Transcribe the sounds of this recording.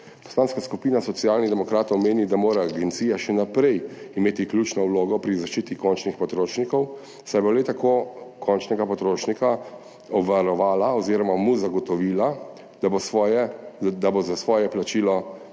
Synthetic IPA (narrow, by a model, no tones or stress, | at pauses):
pɔ̥slaːnskaskupiːnasɔt̪sjaːlnid̪ɛmɔkɾaːt̪ɔwmeːnid̪amoːɾaːɡent̪siːjaʃɛnapɾɛjimeːt̪iklʲjuːt͡ʃnɔwloːɡɔpɾizaʃt͡ʃiːt̪ikɔnt͡ʃnixpɔt̪ɾoːʃnikɔw | sajbolet̪akoːkʰɔnt͡ʃnɛɡapɔt̪ɾoːʃnika | ɔbʋaɾɔʋaːlaɔziːɾɔmamuzaɡɔt̪ɔʋila | bjɛd̪abozasʋɔːjɛplat͡ʃiːlɔ